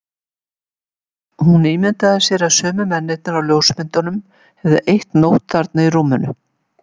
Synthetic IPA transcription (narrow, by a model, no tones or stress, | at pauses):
hunːiːmɪnt̪aðɪsjɛɾasœːmʏmɛnːejt̪naɾawljoːwsmɪnt̪anʏm | hɛvðɪʔejht̪nowht̪θaɾt̪nairuːmʏnʏ